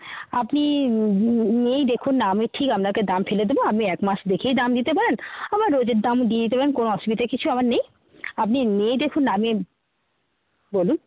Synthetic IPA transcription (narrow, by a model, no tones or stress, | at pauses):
apni | niejd̪ekʰunːaamiʈʰikamɾaked̪amfeled̪eboapniɛkmasd̪ekʰejd̪amd̪it̪epaɾenamaɾːod͡ʑeɾd̪amd̪ied̪it̪epaɾenkonoɔʃubit̪akit͡ɕʰuamaɾnej | apniniejd̪ekʰunːaami | bolun